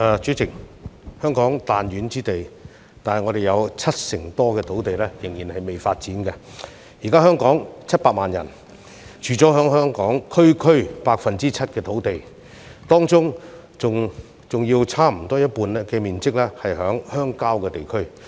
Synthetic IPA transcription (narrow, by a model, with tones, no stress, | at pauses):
ɛː˨˧t͡ʃyː˨˥t͡sʰɪ˨˩ŋ̚hœː˥ŋkɔː˨˥ŋt̪aː˨nɥyː˨˥nt͡siː˥t̪e˨j | t̪aː˨nhɐ˨jŋɔ˨˧ɾe˨jɐ˨˧wt͡sʰɐ˥t̚sɪ˨˩ŋt̪ɔː˥kɛː˧t̪ʰo˨˥wt̪e˨jlɛː˥jɪ˨˩ŋjiː˨˩nhɐ˨jme˨jfaː˧t̚t͡siː˨˥nkɛ˧ | jiː˨˩kaː˥hœː˥ŋkɔː˨˥ŋt͡sʰɐ˥t̚paː˧k̚maː˨njɐ˨˩n | t͡ʃʰyː˨˩t͡sɔː˨˥ɦœː˨˥ŋɦœː˥ŋkɔː˨˥ŋkʰɵ˥ɥkʰɵ˥ɥpaː˧k̚fɐ˨nt͡siː˥t͡sʰɐ˥t̚kɛː˧t̪ʰo˨˥wt̪e˨˩j | t̪ɔː˥ŋt͡sʊ˥ŋ | t͡sʊ˨ŋ | t͡sʊ˨ŋjiː˧wt͡sʰaː˥m̩˨˩t̪ɔː˥jɐ˥t̚puː˧nlɛ˥kɛː˧miː˨nt͡sɪ˥k̚lɛː˥hɐ˨jɦœː˨˥ŋhœː˥ŋkaː˥wkɛː˧t̪e˨jkʰɵ˥ɥ